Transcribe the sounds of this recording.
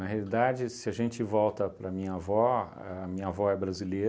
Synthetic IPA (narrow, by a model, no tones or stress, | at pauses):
nɐɦealid̪ad͡ʒɪsɪɐʒẽnt͡ʃɪvɔwt̪ɐpɾɐmĩɲɐavɔ | ɛɐmĩɲɐavɔɛbɾazilejɾ